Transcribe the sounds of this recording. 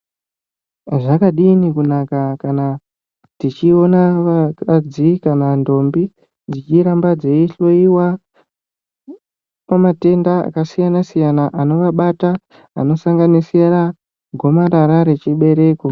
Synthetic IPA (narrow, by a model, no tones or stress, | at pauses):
ʐakaɗinikunakakana | tit͡ʃio̞nakad͡zikanando̞mbi | d͡zit͡ʃiɾambad͡ze̞iɬo̞iwa | pamate̞ndaa̰kasijanasijanaʔano̞ʋaɓata̰ː | no̞saŋɡanisera | ɡʱo̞maɾaɾaɾe̞t͡ʃiɓe̞ɾe̞ko